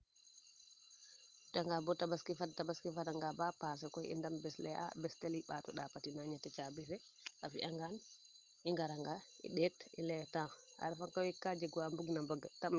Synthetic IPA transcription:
taŋɡabɔtabaskifadtabaskifadaŋɡabapas̬ɛkɔjḭndambɛslɛa̰bɛstaliɓatɔɗapatinaɲatɛt͡ʃabɛsɛ | ʔafḭʔaŋɡan | iŋɡaɾaŋɡa | ḭɗɛtḭlɛtaa̰ɾfaŋkawikad͡ʒɛɡuambuɡnambɔɡatam

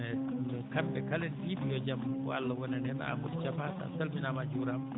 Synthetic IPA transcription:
ɛnɛkambɛkalɛnɗibijɔd͡ʒamɔ̰alːawɔnɛnɛna̰mudt͡ʃapata̰talminamad͡ʒuɾam

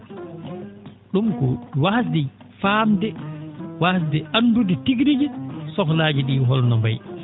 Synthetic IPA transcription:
ɗumkɔwasdɛ | faːmdɛwas̬dɛʔanːdudɛtiɡɾid͡ʒisɔklaːd͡ʒiɗiːɦɔlnɔmba̰j

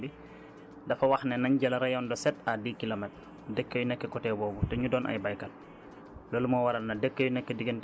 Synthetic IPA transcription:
bi | dɐfɐwɐxnɛnɐɲɟɐlɐɾɐjɔndɔsɛtadiːkilomɛt̚ | dɛkːəjunɛkːɛkɔtɛbɔːbutɛɲudɔːnʔa̰jbɐjkɐt̚ | lolumɔwɐɾɐlnɐdɛkːəjunɛkːɛdiɡənt

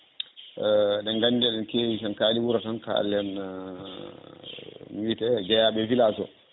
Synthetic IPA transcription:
ɗɛnɡanidɛɗɛnkewisankaːlibuɾatanka̰a̰lːɛn | witɛd͡ʒɛjaɓɛfilasɔ̰

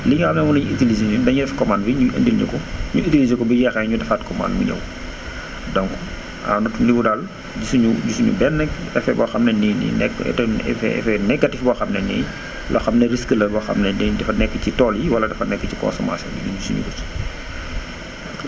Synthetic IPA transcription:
liŋɡɐxɐmnɛmunɐɲuitilizenudɐɲudɛfkɔmanbiɲuʔɐ̰ndilɲḭkɔɲuitilizekɔbɐjɛxɛɲudɛfaːtkɔma̰ːndmṵɲɐ̰w | dɔŋkɔ̥ | a̰wnɐtuliudal | ɟusuɲuɟusuɲṵbɛnːɛkɛfɛbɔxɐmnɛninḭnɛ̰ktɛfɛ̰ɛ̰fɛnɛk̚ɡɐtifbɔxɐmnɛnḭ | lʔɔxɐmnɐɾiskəlɐbɔxɐ̰mnɛddɐfɐnɛkːəcitɔːljiwɐlɐdɐfɐnɛkːəcikɔ̰̃nsɔma̰sjɔ̰niniɲusuɲṵɡus

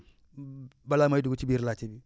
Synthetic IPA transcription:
balamaiduɡut͡ʃibiɾlat͡ʃibi

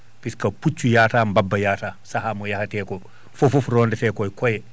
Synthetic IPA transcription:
piskaput͡ʃːujaːtaːmbabːɐjaːtaːsaɦamɔjahatɛːkɔ | fɔfufɾɔːndɛtɛːkɔjkɔjɛ

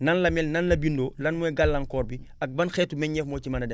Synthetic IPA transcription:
nɐnlɐmɛlnɐnlɐbindoːlɐnmuɛɡalːɐŋkɔːɾbiɐk̚bɐnxɛːtːumɛɲɲɛfmoːcimɐnɐdɛ

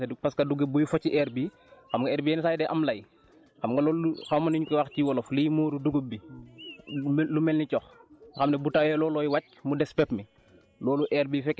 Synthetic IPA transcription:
dupɐskɐduɡebujufɔcːiʔɛɾbiː | xɐmɡɐɛːɾbijɛːnsajdɛʔɐmlɐj | xɐmɡɐlɔuxɐmːɐniɲukiwaxciwɔlɔflijmɔːɾuduɡubːi | mlumɛlnicɔxxɐmnɛbutawjɛlɔːlɔːjwɐc̚mudɛspɛpmi | lɔːluʔɛːɾbifɛkː

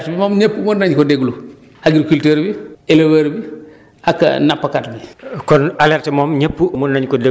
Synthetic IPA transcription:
ɾtbimoːmɲepːumoːɾnaɲkodeɡulu | aɡiɾkilteɾbielewaɾbi | akɐ̰napːakatbikɔnalɛɾtɛmoːmɲepːumunaɲkɔde

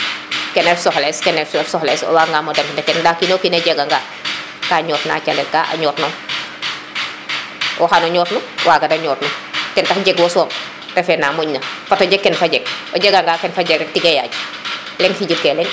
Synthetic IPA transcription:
kɛnɛfsɔxlɛskɛnɛɛsɔxlɛswaŋɡaːmɔdɐmkindɐkɛndakinokinɐɟɛɡaŋɡaː | kaːɲɔːtna̰ːt͡ʃandɛka̰ʔa̰ɲɔːtnɔm | ʔɔxanɔɲɔːtnuwaːɡɐdɐɲɔːtnutɛntɐxɟɛɡwɔsɔːm | tɛfɛnamɔɲnɐfatɔɟɛkːɛnfaɟɛɡ̚ɔɟɛɡaŋɡaːkɛnfaɟɛɡɛtiɡɐja̰ɟ | lɛŋsiɟitkɛlɛŋ

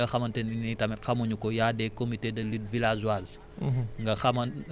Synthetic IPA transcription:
ɐxɐmɐntɛninitamɛtxɐmuɲukɔjadɛkomitedɐlid̚vilazuaz | ŋɡɐxɐmɐn

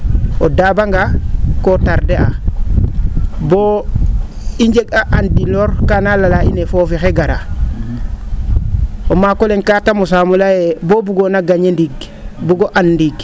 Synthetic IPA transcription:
odabaŋɡakotaɾdeʔa̰ | bo | iɲd͡ʒekaʔandiloɾkanalalaḭnefofixeɡaɾa | omakoleŋkatamos̬amulajebobuɡonaɡaɲendiɡ | buɡoʔanːdiɡ

